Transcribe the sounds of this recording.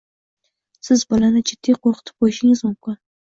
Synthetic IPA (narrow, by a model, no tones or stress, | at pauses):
sɪzbʊlanɪt͡ʃʰɪd̪̥iqoχt̪ʰə̥p̚ojʃɪŋɪzmʊmkʊ